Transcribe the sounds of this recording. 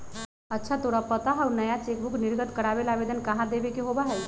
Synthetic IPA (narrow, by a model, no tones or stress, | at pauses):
ətːʃʰat̪oɽapət̪aɦaunəjat͡ʃekbukniɾɡʱət̪kəɽabelabed̪ənkaɦãd̪ebekeɦobaɦɛj